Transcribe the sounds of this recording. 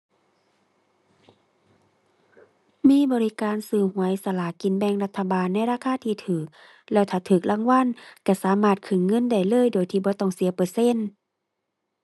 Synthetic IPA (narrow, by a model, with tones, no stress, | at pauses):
miː˧˥˨bɔː˧li˧kaː˨nsɯː˧˩hu˧˩˦əjʔsa˧la˧˩ki˨˧˨nbɛ˧˨ŋla˧t̪ʰːa˧baː˨nːa˧˥˨jɾaː˧˥˨kʰaː˧˥˨t̪ʰiː˧˩t̪ʰɯː˨˩k̚ | lɛː˧˩wt̪ʰaː˧˩t̪ʰɯː˨˩k̚la˧˥˨ŋwa˧˥˨nka˧˩saː˨˦maː˧˩t̪̚kʰɯ˧˩ŋːɤ˧˥˨nda˧˩jlɤː˧˥˨jdoː˨˩jt̪ʰiː˧˩bɔː˧˦t̪ɔː˧˩ŋsi˨˦ɐpɤː˧se˧˥˨n